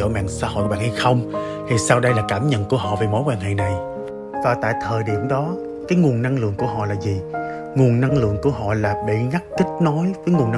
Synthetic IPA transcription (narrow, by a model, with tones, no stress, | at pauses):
o̰˧˩ma̰ː˧˨ŋsa̰ː˧ho̰˧˨jɓa̰ː˧˨nha˧jxə˧wŋ͡m | t̪ʰi˨˩saː˧wɗə˧jlaː˨˩kaː˧˩mɲə̰˧˨nku˧˩əɦɔ̰˧˨ve˨˩mo˨˦jkwaː˧nɦḛ˧˨na˨˩j | vaː˨˩t̪a̰ː˧˨jt̪ʰəː˨˩jɗi˧˩əmɗɔ˨˦ | kaː˨˦jŋu˨˩ənna˧ŋlɨ̰˧˨əŋku˧˩əɦɔ̰˧˨laː˨˩zi˨˩ | ŋu˨˩ənna˧ŋlɨ̰˧˨əŋku˧˩əɦɔ̰˧˨laː˨˩ɓḭ˧˩˨ŋa˦˥k̚t̪ï˦˥k̟̚nɔ˨˦jvəː˨˦jŋu˨˩ən